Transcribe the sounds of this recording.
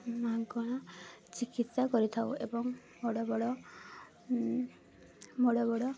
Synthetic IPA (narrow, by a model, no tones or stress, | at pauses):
mɦaɡɔɽ̃ɔt͡ʃikit̪sakɔɾit̪ʰawebɔŋ | moɽɔbɔɽɔ | moɽɔbɔɽɔ